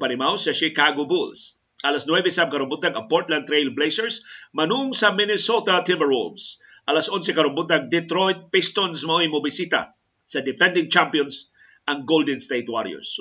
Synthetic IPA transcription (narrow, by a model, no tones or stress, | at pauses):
pɐnɪmawsɐʃikaɡobuls | ʔɐlasnwɛbɛsamkɐɾʊmbut̪ːɐŋɐpoɹɾt̪lãnt̪ːɾejlblejsɛɹsmɐnuŋsɐmɪnɛsot̪ɐt̪ɪmbɛɾṵms | ʔɐlasʔonsɛkɐɾʊmbut̪̚ːɐŋd̪ɛt̪ɾojt̪̚pist̪onsmɐojmobɪsit̪ɐ̰ | sɐd̪ɪfɛ̃nd̪ɪŋt͡ʃampijons | ɐŋɡold̪ɛnst̪ejt̪wa̰ɾjo̰s